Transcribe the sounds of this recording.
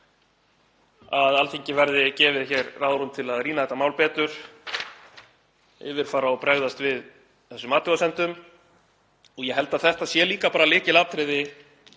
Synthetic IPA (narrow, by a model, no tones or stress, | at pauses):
aðalθiɲcɪvɛɾðɪcɛːvɪðçɛːɾːaːðɾumt̪ʰɪlaðriːnaðθɛht̪amaːwlpɛːt̪ʏɾ̥ | ɪ̰ːvɪɾ̥faːɾaɔpɾɛɣðast̪vɪð | θɛsːʏmaːt̪ɔasɛnt̪ʏm | ɔɣjɛɦɛlt̪aðθɛht̪aðsjɛliːkapaːɾalɪːcɪlat̪ʰɾɪðɪ